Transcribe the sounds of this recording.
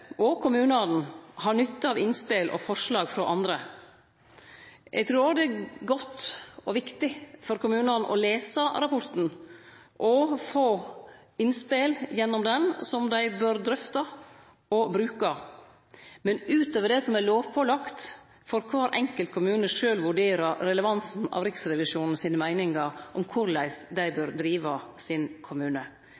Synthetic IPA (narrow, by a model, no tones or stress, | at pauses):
ɔkʰʊmʉːnɑːd̪n̩hɑɾnʏt̪ːəɑʋɪnspeːlʔɔ̰fɔʂlɑːɡfɾɔʔɑnd̪ɾə | jʔɛ̰ɡt̪ʰɾuːɾd̪ɛæɡɔt̪ːɔʋɪkt̪ɪfɔɾkʊmʉːnɑːd̪n̩ʔɔ̰leːsəɾɑpʰɔɾt̪n̩ | ʔɔfoː | ɪnspeːljɛnːɔmd̪ɛnsɔmd̪æɪbøːɾd̪ɾœft̪ɑ | ɔbɾʉːkɑ | mɛnʉːt̪øːʋəɖ̪ɛsɔmæloːʋpʰɔlɑkt̪ | fɔɾkʰʋɑːɾʔɛŋkəlt̪̚kʰʊmʉːnəʂøːlʋʉɖeːɾəɾɾɛləʋɑnsn̩ɑ̰ʋɾɪksɾɛʋɪʂuːnn̩siːnəmæɪnɪŋəɾʔɔmkʰʊɾlæɪsd̪æɪbøːɾd̪ɾiːʋɑsɪnkʰʊmʉːnə